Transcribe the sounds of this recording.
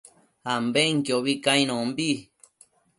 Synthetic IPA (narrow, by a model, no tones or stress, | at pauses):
hambeŋkjoβikãĩñõmbi